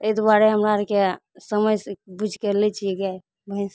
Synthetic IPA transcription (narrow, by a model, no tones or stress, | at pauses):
t̪ed̪waɾeɦəmɾaəɾkesəməjsbud͡ʒʱkeɾlɛt͡ʃʰieɡa | bəis